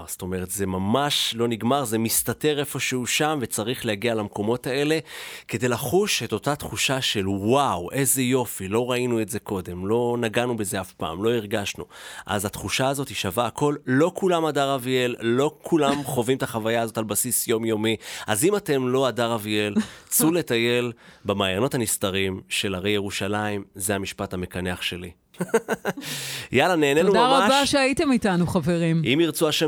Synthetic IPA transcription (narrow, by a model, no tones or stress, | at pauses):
st̪o̞me̞ʁetzemamaʃlo̞niɡmaʁzemistate̞ʁe̞fo̞ʃehuʃamve̞t͡saʁiχlehaɡialamko̞mo̞tae̞le̞ke̞de̞jlaχuʃeto̞tat̪χuʃaʃe̞lwawʔe̞ze̞jo̞filo̞ʁainue̞tze̞ko̞de̞mlo̞naɡanube̞ze̞afpa̰ːmlo̞iʁɡaʃnuʔa̰zat̪χuʃaːzo̞tiʃavaːko̞lːo̞kʰulamadaʁavielːo̞kʰulamχo̞vimt̪aχavajaazo̞talbasisjo̞mjo̞miʔazimate̞mlo̞adaʁavie̞lt͡sule̞taje̞lbamaːjano̞thanist̪aʁimʃe̞laʁe̞jeʁuʃalaimzeamiʃpathame̞kaneaχʃe̞li | jalane̞ːnenudmaʁaabaʃeaitemitanuχaveʁimimiʁt͡suaʃe